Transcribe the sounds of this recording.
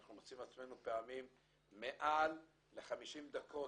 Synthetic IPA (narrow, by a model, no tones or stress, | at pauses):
aχnumot͡simat͡sme̞nupeamimː | e̞ʔalː | e̞χamiʃimd̪akʰo̞